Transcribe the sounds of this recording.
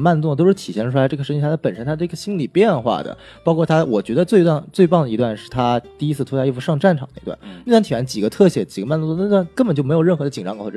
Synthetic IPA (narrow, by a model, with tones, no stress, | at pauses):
ma˥˧nt͡s̪ʊ˥˩ŋ˩t̪̬o˥ʊʂɻ̩˥˩t̪ʰi˨˩ɕjɛ˥˩nʈ͡ʂʰu˥la˧˥ʈ͡ʂɤ˥˩ɡə˩ʂə˥t͡ɕi˧˥ja˥˩t͡sʰpə˨˩nʂə˥nt̪ʰa˥ə˥˩i˥ɡə˧˩ɕi˥nli˨˩pjɛ˥˧nxwa̰˥˩d̪ə̰˩ | pɑ˥ʊkʰwɔ˥˩t̪ʰa˥wɔ˨˩t͡ɕɥɛ˧˥d̪ə˧t͡swe˥˧ɪt̪wa˥˧nt͡swe˥˧ɪpɑ˥˩ŋd̪ə˩i˧˥t̪wa˥˧nʂɻ̩˥˩t̪ʰa˥t̪i˥˩˧i˥t͡sʰɹ̩˥˧tʰu˥ja˥˧˥i˥˧fu˥˧ʂɑ˥˧ŋʈ͡ʂa˥˩nʈ͡ʂʰɑ˨˩d̪ə˧i˧˥t̪wa̰˥˩ni˥˧twa˥˩nt̪ʰi˨˩ə˧˥nt͡ɕi˨˩ɡə˦t̪ʰɤ˥˩ɕjɛ̰˧˩t͡ɕi˨˩ɡə˦ma˥˧nt͡sʊ˥˩˥t̪nkə˥npə˨˩t͡ɕo˥˩ʊm˧˥ɪo˨˩ʊɻə˥˩nxɤ˧˥d̪ə˧t͡ɕi˨˩ʈ͡ʂɑ˥ŋk